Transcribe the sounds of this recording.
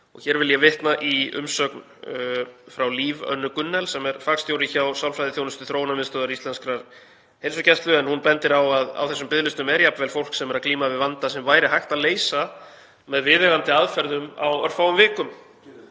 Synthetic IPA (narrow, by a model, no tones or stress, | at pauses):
ɔ̰ɣçɛːɾvɪljɛvɪht̪naʔiʏ̰msœkn | fɾawliːvœ̰nːʏkʏnːɛlsɛmɛɾfakst̪jowɾɪçawsjawlfɾajðɪθjoːwnʏst̪ʏθɾownamɪst̪œðaɾist̪lɛnskɾaɾ | hejlsʏcɛst̪lʏɛnhunpɛnt̪ɪɾawaða̰wθɛsːʏmpɪðlʏst̪ʏmɛɾjapnvɛlfowl̥ksɛmɛɾaðkliːmavɪðvant̪asɛmvaːjɾɪɦajht̪aðleːjsa | mɛðvɪðɛɣant̪ɪaðfɛɾðʏma̰wœɾfawʏmvɪːkʏm